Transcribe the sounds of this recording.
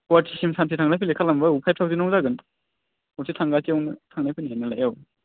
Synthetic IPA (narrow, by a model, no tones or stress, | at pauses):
watʰisimsʰansʰitʰaŋnajpʰilekʰalambɐupʰaj̚tʰawzinɔŋdaɡɯn | ɔsʰitʰaŋɡatiɔwnɯtʰaŋnajpʰɯnienːɐlajaw